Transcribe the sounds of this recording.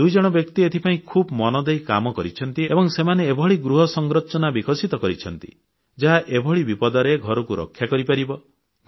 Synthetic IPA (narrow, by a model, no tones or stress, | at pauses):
d̪ujd͡ʒɔɽ̃ɔbjɔkt̪iet̪ʰipaĩkʰuːbmɔnɔd̪ejka̰mɔkɔɾit͡ʃʰɔnt̪iebɔŋsemaneebʱɔɭiɡɾuɦɔsɔŋɡɾɔt͡ʃɔnabikʰɔsit̪ɔkɔɾit͡ʃʰɔnt̪ḭ | d͡ʒaɦaʔebʱɔɭibipɔd̪ɔɾeɡʱɔɾɔkuɾɔ̰kʰːjakɔɾipaɾibɔ